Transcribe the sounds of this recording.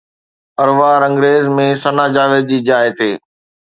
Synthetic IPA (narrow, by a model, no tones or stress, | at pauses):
ɐɾʋaːɾɐ̃ŋɡɾeːzmẽsɐnaːd͡ʑaːʋed̪̚d͡ʑiːd͡ʑaːɪt̪ʰeː